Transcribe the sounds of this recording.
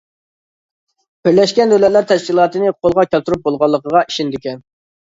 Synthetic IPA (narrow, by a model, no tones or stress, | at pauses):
b̥ɪɾlɛʃkʲɛndølɛt̪læɾt̪ʰɛʃkʲilˠɑːt̪ɨnɨqʰolˠʁɑkʲælt̪uɾup̚bolˠʁɑlˠːəqəʁɑiʃind̪ɪkʲɛn